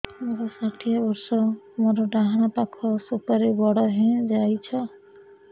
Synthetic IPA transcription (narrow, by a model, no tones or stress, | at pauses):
moɾɔsaʈʰijabɔɾsɔ | moɾɔɖaɦaɽ̃apakʰɔsupaɾebɔɽɔɦẽd͡ʒajt͡ʃʰɔ